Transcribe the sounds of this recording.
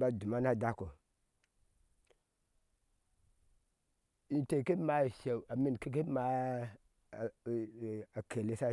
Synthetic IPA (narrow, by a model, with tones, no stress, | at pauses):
ba˦du˨ma˦na˦da˦ko˨ | i˨te˨ki˦ma˨ʃe˨u˨a˨mi˦n˨ki˦ki˦ma˨ | a˨kʰe˨le˦sa˦